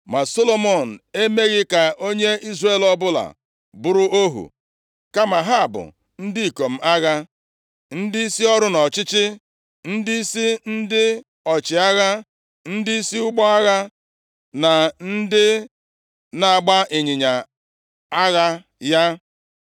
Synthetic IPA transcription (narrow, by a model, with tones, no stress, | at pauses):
ma˨so˦lo˦mo˨n̩˨e˦me˦ɣɪ˦ka˨ʔo˦ɲe˦i˦zre˨lɔ˨bʊ˦la̰˨ | bʊ˦ɾʊ˦o˦ɦṵ˨ | ka˦ma˨ɦa˦a˨bʊ̰˨ | n̩˦di˦i˨ko˨m̩˨a˦ɣa˦ | n̩˦dɪ˦i˦si˦ɔ˦ɾʊ˦nɔ˨t͡ʃɪ˦t͡ʃɪ˦ | n̩˦dɪ˦i˦si˦n̩˦dɪ˦ | ɔ˨t͡ʃɪ˨a˦ɣa˦ | n̩˦dɪ˦i˦si˦ʊ˦ɡ͡bɔ˦a˦ɣa˦ | na˨n̩˦dɪ˦ | na˨a˨ɡ͡ba˦ʔɪ˨ɲɪ˨ɲa˨ | a˦ɣa˦ | ja˦